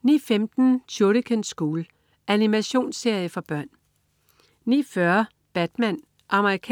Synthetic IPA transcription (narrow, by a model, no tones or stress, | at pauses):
niːfemd̥n̩t͡sʰoɾəkʰənsɡ̥uːl | ʔænimæɕo̝̰ːnse̝ɐ̰jəfɒ̽b̥ɶɐ̰n | nḭfɶɐ | b̥æd̥mæn | ʔɑ̈məʁikʰ